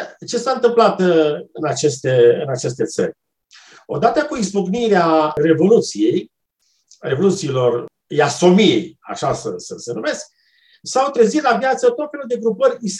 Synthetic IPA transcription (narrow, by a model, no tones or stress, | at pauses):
t͡ʃe̞sant̪ɨmplat̪ɨnat͡ʃe̞st̪e̞ɨnat͡ʃe̞st̪e̞t̪sə̰rʲ | o̞̰d̪at̪əkuisboɡniɾeare̞vo̞lut̪sije̞j | ɾe̞vo̞lut̪siːlo̞r | jaso̞miḛja̰ʃasəsəsənume̞sk̚ | sawt̪ɾe̞zit̪lavjat̪sət̪ot̪feluld̪e̞ɡɾupəɾʲis